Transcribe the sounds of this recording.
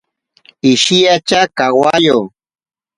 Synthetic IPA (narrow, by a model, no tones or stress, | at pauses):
ɪʃijat͡ʃakawajo